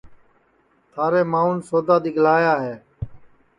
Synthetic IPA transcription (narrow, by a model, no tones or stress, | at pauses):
t̪ʰaːɾeːmaːunsoːd̪aːd̪ɪɡʱl̤aːjaːɦeː